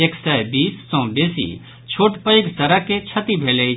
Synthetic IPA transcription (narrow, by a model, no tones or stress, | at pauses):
eksɛbiːsːɔ̃beːsḭ | t͡ʃʰoːʈpəjksɐɾaket͡ʃʰɐt̪ibʱeːle